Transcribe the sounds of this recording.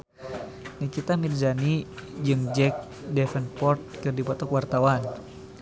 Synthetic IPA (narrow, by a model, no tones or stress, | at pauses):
nikit̪amid̪zanid͡ʒɨŋd͡ʒɛk̚ | dɛfənpɔrt̪̚kɨrdipɔt̪ɔkwart̪awan